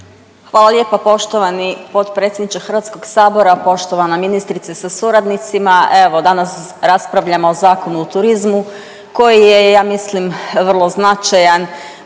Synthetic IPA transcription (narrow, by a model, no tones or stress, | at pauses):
xʋaːlˠalje̞ːpapo̞ʃt̪o̞ʋanipo̞t̪pɾet̪sjed̪nit͡ʃ̪exr̩ʋat̪sko̞ɡ̥saːbo̞ɾapo̞ʃt̪o̞ʋanaminist̪ɾit̪sesasuɾad̪nit̪simae̞ʋo̞d̪anas | ɾaspɾaʋʎamoozaːko̞nuːt̪uɾizmu | ko̞jijejaːmislimʋrlˠo̞znat͡ʃajan